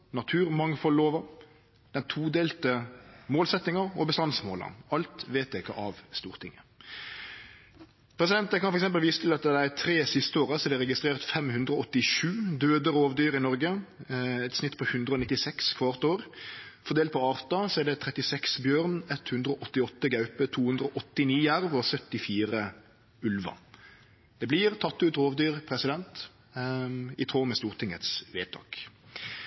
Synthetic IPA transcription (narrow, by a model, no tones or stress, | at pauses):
nɑt̪ʰʉːʁmɑŋfɔlːoːʋɑ | d̪̥ɛnt̪ʰuːd̪eːlt̪əmoːlsɛt̪ːɪŋɑɔbəst̪ɑnsmo̰ːlə̰nɑlt̪ʋeːt̪ɛɪkːə̰ʔɑʋst̪ṵːʁt̪ɪ̰ŋːə | pʰɾɛsɪd̪ɛnt̪əkɑnfɔɾɛksɛmpəlʋiːsət̪ʰɪlɑt̪̚d̪ɛd̪ɛæt̪ʰɾeːsɪst̪əoːʁəsɔɛd̪ɛɾʁɛɡɪst̪ʁeːʁt̪fɛmhʉnd̪ɾəɔːɔt̪ːɪʃʉːd̪øːd̪əɾoːʋd̪yːɾɪnɔɾɡə | ɛt̪snɪt̪ːpʰɔhʉnd̪ɾəɔnɪt̪ːɪsɛkskʰʋɑʁt̪oːʁfɔʁd̪eːlt̪pʰɔɑːʁt̪ɑsɔɛʁd̪ɛt̪ʰʁɛt̪ɪsɛksbjøːʁnɛt̪hʉnd̪ɾəɔʔɔt̪ːɪɔt̪ːəɡɑʉpət̪ʰuːhʉnd̪ɾəɔʔɔt̪ːɪniːjæʁʋɔsœt̪ːɪfiːʁə | ʉlʋɑ̰ | d̪̥ɛblɪʁt̪ʰɑt̪ːʉːt̪ɾoːʋd̪yːʁpʰʁɛsɪd̪ɛnt̪ | ɪt̪ʰʁoːmɛst̪uːʁt̪ʰɪŋət̪sʋḛːt̪ʰɑ̰ːk